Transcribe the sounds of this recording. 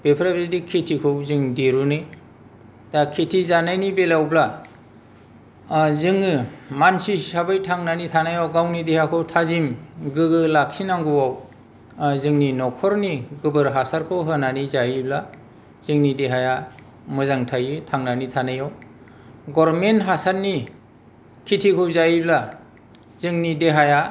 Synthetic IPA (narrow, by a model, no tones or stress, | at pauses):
b̥epʰɾabɾedikʰːetʰikʰɯwzɯŋdeɾunɯj | d̥akʰetʰizanajnibelawbla | zɯŋɯmansisabɯjtʰaŋnanitʰanajawɡawnidehakʰɯwtʰazimɡɯɡɯlak̚sinaŋɡuwaw | zɯŋninɔkʰɔɾniɡɯbɯɾɦasaɾkʰɯwɦɯnanizaibla | z̥ɯŋnideɦaja | mɯzaŋtʰajɯtʰaŋnanitʰanajɔw | ɡɔɾmenɦasaɾni | kʰitʰikʰɯwzaibla | zɯŋnideɦaja